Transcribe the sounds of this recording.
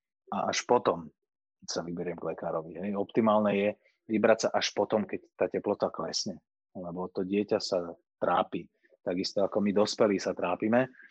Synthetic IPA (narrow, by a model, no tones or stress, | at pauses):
aʔaʃpɔt̪ɔm | ksaʋibɛɾɪɛmɡlɛkaːɾɔʋiɦɛjɔpt̪imaːlnɛjɛ | ʋibɾacsaʔaʃpɔt̪ɔmkɛct̪aːcɛplɔt̪aklɛsɲɛ | lɛbɔt̪ɔɟɪɛcasat̪ɾaːpiː | t̪aɡist̪ɔakɔmid̪ɔspɛliːsat̪ɾaːpimɛ